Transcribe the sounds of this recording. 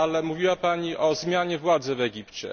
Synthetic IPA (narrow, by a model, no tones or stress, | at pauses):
alɛmuvʲiwapaɲiʔɔzmʲjaɲɛvwad̪zɛvɛɡʲipt͡ɕɛ̰